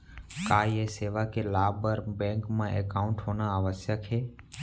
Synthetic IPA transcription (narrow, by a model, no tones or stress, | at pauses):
kaːjeseːʋakelaːbəɾbẽŋkmãʔekaʊ̃ɳʈɦoːnaəʋəsjəkʰeː